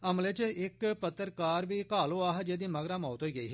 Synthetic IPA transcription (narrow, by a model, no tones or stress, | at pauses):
ɐmlet͡ʃɪkpət̪ːəɾkaːɾbʱiːkaːloːaːɦd͡ʒeːd̪iːmɐɡɾaːmaːt̪ɦoːiːɡəiːɦɛ